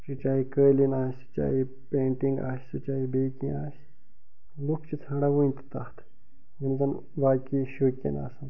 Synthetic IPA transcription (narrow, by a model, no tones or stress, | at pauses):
t͡ʃit͡ʃaːikəːlinaːsʲɨ̥t͡ʃa̰ːɦi | pʲẽːɳʈĩŋɡa̰ːsʲsɨt͡ʃaːibeːkĩaːs | lukʰt͡ʃit̪ʰaːɽaʋunʲt̪i̥t̪aht̪ʰ | mɐnzɐn | ʋaːkiʃuːkʲɐ̰na̰ːsɐn